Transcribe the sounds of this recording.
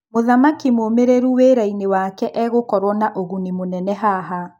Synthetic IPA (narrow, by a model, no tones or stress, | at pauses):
moðamakimoːmeɾeɾuweɾainewakɛʔɛɣokɔɾwɔnaʔoɣunimonɛnɛɦaɦa